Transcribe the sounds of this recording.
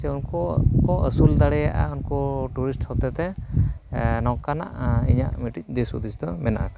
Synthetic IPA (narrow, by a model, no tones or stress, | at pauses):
sɛunkɔkɔʔəsuld̪aɽɛjaʔa̰unkɔʈuɾisʈhɔt̪ɛt̪ɛ | nɔwkana̰ʔḭɲa̰ʔmiʈic̚ˀd̪esud̪isd̪ɔmɛna̰ʔa̰ka